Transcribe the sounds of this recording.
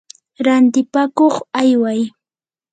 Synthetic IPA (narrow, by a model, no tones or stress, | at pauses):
ɾant̪ɪpakoχajwaj